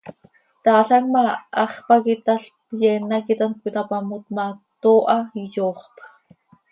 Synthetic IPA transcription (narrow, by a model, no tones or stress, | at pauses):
t̪ɑːɬɑkmaʔɑχpakit̪aɬpjɛnakit̪ankʷit̪apamut̪̚mat̪oːʔɑijoːχp